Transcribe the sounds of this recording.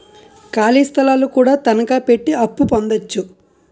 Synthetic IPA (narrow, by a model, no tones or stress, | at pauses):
kaːliːst̪ʰɐlaːlukuːɽaːt̪ɐnɐkaːpe̞ʈːiɐpːupond̪ɐt͡ʃːu